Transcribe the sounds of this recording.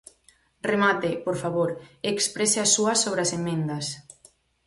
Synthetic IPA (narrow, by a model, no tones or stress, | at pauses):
remat̪epoɾfaβoɾekspɾeseasːuɐsoβɾeasemːẽnd̪ɐs